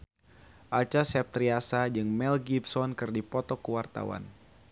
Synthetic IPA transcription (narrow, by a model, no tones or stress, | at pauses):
ʔat͡ʃasɛp̚t̪ɾiasad͡ʒɨŋmɛlɡipsɔnkɨrdipɔt̪ɔkuwart̪a̰wa̰n